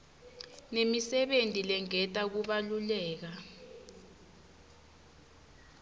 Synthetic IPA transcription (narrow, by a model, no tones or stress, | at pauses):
nemisɛɓentʼilɛŋɛtʼak̬uɓalulɛːk̬a